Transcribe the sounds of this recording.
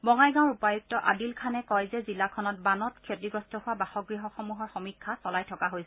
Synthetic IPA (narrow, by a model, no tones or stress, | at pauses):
bɔŋajɡãwɔɹupajuk̚tɔʔa̰dilkʰanɛkɔjzɛzilakʰɔnɔt̚banɔtkʰetɹiɡɔstɔhʊwabaxɔɡɹiɦɔxɔmuɦɔɹxɔmikʰːasɔlajtʰɔkaɦojsɛ